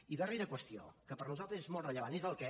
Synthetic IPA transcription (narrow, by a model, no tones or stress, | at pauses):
iðəreɾəkwəst̪io̰kəpəɾnuzalt̪ɾəzezmɔlˠrəʎəβanezəlˠkɛ